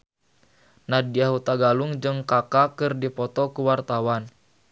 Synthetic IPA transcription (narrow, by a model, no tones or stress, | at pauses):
nadiaɦut̪aɡaluŋd͡ʒɨŋkakakɨrdipɔt̪ɔkuwart̪awan